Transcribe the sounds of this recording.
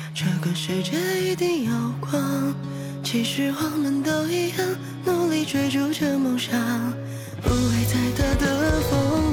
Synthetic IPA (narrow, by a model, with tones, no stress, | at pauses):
ʈ͡ʂɤ˥˧˩ɡə˩ʂɻ̩˥˧˩ʈ͡ʂə˥˧i˧t̪i˥˩ŋjɑ˨˧˩ʊkʰwɑ˥ŋ | t͡ɕʰi˧˥ʂɻ̩˧˥xwa˥˧˩mə˧˥nt̪o˥˧ʊi˥jɑ˥˧ŋ | nu˧˥li˧˥ʈ͡ʂwe˧˥ɪʈ͡ʂu˧˥ʈ͡ʂə˥˧mʊ˧˥ŋʂɑ˧ŋ | u˧˥we˧˩ɪt͡sa˥˩ɪt̪a˥˧t̪ə˧fo˧˥ŋ